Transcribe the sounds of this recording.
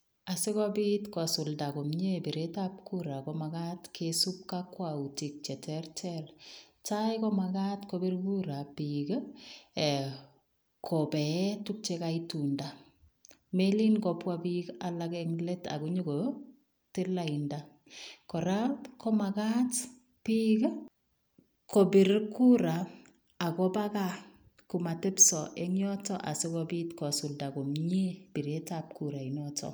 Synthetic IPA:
asekɔbitkwasʊldakomɲebeɾetap̚kuɾakɔmakatkʰesup̚kakːwautik̚t͡ʃɛtɛrtɛl | t͡ʃajkɔmakatkɔbeɾbuɾapiɡ | kʰɔbɛtuk̚t͡ʃekaitunda | melinkɔpwabikalakɛŋleta̰kuɲoko | telainda | kɔɾapkɔmakat | pik | kʰobiɾkːuɾa | akɔbaka | kumatepsɔʔeŋjɔtɔʔa̰sɪkɔbitkɔsuldakomɲeb̥iɾetap̚kuɾainɔtʰɔ̰

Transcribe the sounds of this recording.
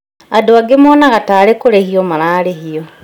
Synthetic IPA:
adoaɡemɔːnaɣataːɾekoɾehiɔmaɾaːɾehiɔ

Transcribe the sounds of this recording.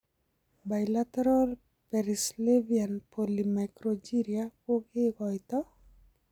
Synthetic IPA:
bajlat̪ɛɾɔl | pɛɾislevianpolimakɾod͡ʒiɾiapoɡɪɡɔjt̪ɔ

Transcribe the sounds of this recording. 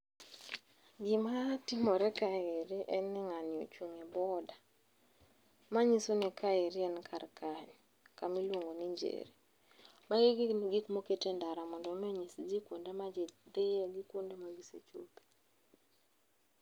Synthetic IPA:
ɡɪmatɪmɔɾɛkaeɾiʔɛnːɪŋanɪɔ̰t͡ʃwuŋɛbɔda | maɲisonikaeɾiɛnkʰarkaɲ | kamilwoŋɡoniɲd͡ʒḛɾi | maɡɪɡikmoketendaɾamɔndɔmɛɲisd͡ʒikwondemad͡ʒd̪ɪjɛɡikwondemaɡisḛt͡ʃo̰pe̥

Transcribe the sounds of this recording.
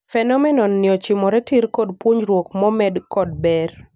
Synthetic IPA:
fɛnɔmɛnɔnːɪɔt͡ʃɪmɔɾɛtiɾkodpwoɲɾwok̚mɔmɛdkɔd̚bɛr

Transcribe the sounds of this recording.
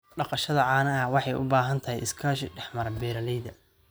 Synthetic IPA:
ɖɑqɑʃɐðɐʕɑːnɐɐwɑħɑjʔʊ̰baːɦɐnt̪ʰɐɦɛ̰jʔɪ̰skʰaːʃɪɖɛħmɐɾɐbɛːɾɐlɛjðɐ

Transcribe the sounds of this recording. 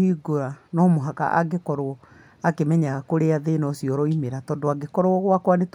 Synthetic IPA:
iɡoanɔmoɦaka̰ʔa̰ɡekɔɾoɔ | akemɛɲaɣakoɾeaðenɔsiɔɾɔimeɾatɔndoaɡekɔɾoɔɣwakwanet

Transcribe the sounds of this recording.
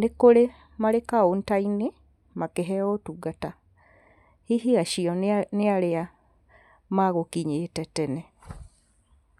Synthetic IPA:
nekole | malekaontaini | makeɦɛotuɡata | hihiaʃiɔnealea | maɣokiɲeːtɛtɛne

